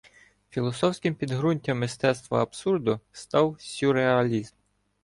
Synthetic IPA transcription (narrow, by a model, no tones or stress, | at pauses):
fʲilˠɔsɔwsʲkɪmpʲid̪ɦɾunʲtʲɐmːɪst̪ɛst̪ʋɐ̰ɐbsurd̪ʊst̪ɑwsʲuɾeɐlʲizm